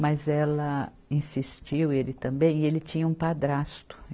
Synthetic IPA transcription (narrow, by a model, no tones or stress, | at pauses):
mɐzɛlɐ | ĩsist͡ʃiwelɪt̪ɐ̃mbẽj̃elɪt͡ʃĩɲɐũpad̪ɾast̪ʊ̥